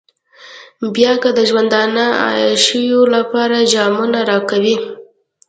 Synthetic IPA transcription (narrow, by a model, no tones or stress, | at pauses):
bjɑkəd̪əʒwand̪ɑnaɑ̰jɑʃəwjolapɑɾad͡ʒɑmunaɾɑkawi